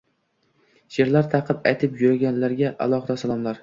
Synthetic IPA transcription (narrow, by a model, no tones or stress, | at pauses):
jeɾlaɾt̪ʰɑqʰɨpajt̪ʰɪpjʊɾaɡʲanlaɾɡʲaʔa̰lˠɒχɨd̪asalˠɒmlaɾ